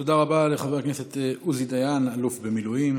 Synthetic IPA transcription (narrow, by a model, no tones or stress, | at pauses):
t̪o̞d̪aʁabaleχaveʁkneset̪euzid̪ajanalufbe̞milujim